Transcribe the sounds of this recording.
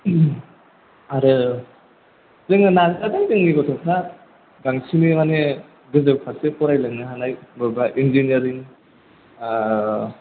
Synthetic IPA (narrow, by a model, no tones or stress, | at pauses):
aɾɯ | zɯŋɯnazatajdɯŋnibɔtʰɔŋpʰa | ɡaŋsʰimimane | ɡɯzɯbpʰasekɔɾajlɯŋnɯɦanajbɔɾbaʔinzinijaɾiŋ